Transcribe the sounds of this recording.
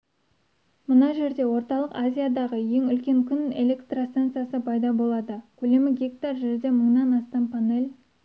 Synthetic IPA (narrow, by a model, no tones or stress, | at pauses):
mənɑʒe̞ɾd̪e̞wo̞ɾt̪ɑlˠəqazʲijad̪ɑʁəje̞ŋʏlkʲe̞ŋkʲʰʏne̞̰le̞kt̪rost̪ant̪sɨjasəpʰɑjd̪ɑbo̞lˠɑd̪əkʲʰɵle̞mɪɡʲekt̪ɑɾʒeɾd̪e̞məɴnɑnɑst̪ɑmpʰane̞lʲ